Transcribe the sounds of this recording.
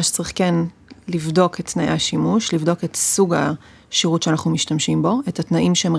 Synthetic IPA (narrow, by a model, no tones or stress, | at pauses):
aʃt͡sʁiχkenlivdo̞ketːnajʔaʃimuʃlivdo̞ke̞tsuɡa | ʃiʁutʃeanaχnumiʃtamʃimbo̞ethatnaʔimʃeem